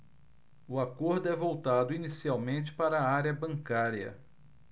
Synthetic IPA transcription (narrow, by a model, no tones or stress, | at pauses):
ʊakoɾd̪ʊɛvowt̪ad̪ʊinisiawmẽnt͡ʃɪ̥paɾɐːaɾjɐbɐ̃ŋkaɾiɐ̰